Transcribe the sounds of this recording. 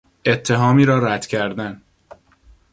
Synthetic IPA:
ʔe̞t̪ʰːe̞ɦɒːmiːɾɒːɾæd̪̥cʰæɾd̪æn

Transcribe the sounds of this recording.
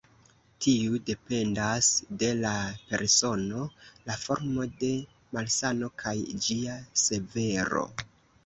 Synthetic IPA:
tʰiude̞pe̞ndasde̞lape̞̰ɾso̞no̞lafo̞ɾmo̞de̞ | malsano̞kʰajd͡ʒiase̞ve̞ɾo̞̰

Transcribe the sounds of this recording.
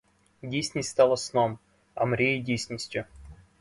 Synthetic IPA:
dʲisʲnʲesʲst̪alˠəsnom | ɐ̰mɾʲejidʲesʲnʲəsʲtʲjʊ

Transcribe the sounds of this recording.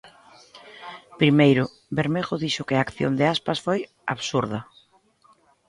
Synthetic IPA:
pɾimejɾʊ | beɾmeɣoðiʃʊkɪaːkθjo̰nd̪ɪaspasfoj | a̰βsuɾðɐ

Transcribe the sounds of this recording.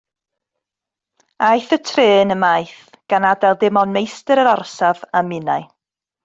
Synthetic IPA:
ajθətʰreːnəmajθ | ɡ̥anadɛlˠdɪmɔnmejstəɾəɾɔrsavamɪnaɨ

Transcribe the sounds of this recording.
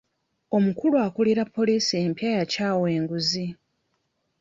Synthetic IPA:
o̞mukuluakuliɾapːo̞liːsiempjaːjacaːwe̞ːŋɡuzi

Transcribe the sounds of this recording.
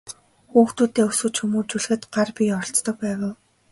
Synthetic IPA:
xuːxt̪uːt̪eːɵsŭt͡ɕxɵmuːt͡ɕuɮ̆xɘ̆t̪ɢarpʲiɔɬt͡st̪ɞ̆k̚pæːʁʊːw

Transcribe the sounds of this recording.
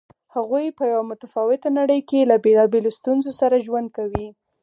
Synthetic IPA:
haɣujpəjawamʊt̪afɑwɪt̪anaɽəjkelabelɑbelost̪unzosaɾaʒwand̪̚kawi

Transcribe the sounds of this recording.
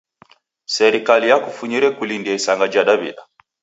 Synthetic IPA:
sɛɾikalijakufuɲiɾɛkulindiaisaŋɡad͡ʒaɗaβḭɗa

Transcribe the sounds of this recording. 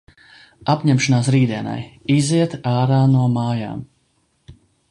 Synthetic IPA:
apʲɲɛmʃɔnaːsɾiːd̪iɛna̰jiziɛt̪aːɾaːnuɔmaːja̰ːm

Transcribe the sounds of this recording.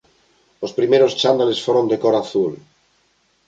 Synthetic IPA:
ospɾimeɾost͡ʃand̪alesfoɾond̪ekoɾaθul

